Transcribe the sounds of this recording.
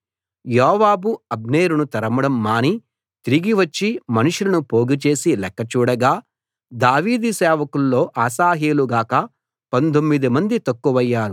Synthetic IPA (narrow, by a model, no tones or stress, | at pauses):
jɔːʋaːbuɐbneːɾunut̪ɐɾɐmɐɽɐmːaːni | t̪iɾiɡiʋɐt͡ʃːimɐnuʂulɐnupo̞ːɡit͡ʃe̞ːsilɛkːɐt͡ʃuːɽɐɡaː | d̪aːʋiːd̪isɛːʋɐkulːo̞ːʔaːsaːɦeːluɡaːkɐ | pɐnt̪omːid̪imɐnd̪it̪ɐkːuʋɐjːaːɾu